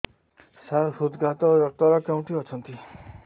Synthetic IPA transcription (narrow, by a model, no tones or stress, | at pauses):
saɾhud̪ɡat̪ɔɾʌt̪ʌɾʌkaw̃ʈiʌt͡sʰʌnt̪i